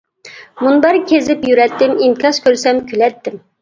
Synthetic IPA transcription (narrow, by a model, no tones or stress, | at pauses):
munbɑɾkʲʰezɪpjyɾɛt̪ːɪmiŋkʰʲɑʃkʲʰøɾsɛmkʲʰylɛt̪ːɪm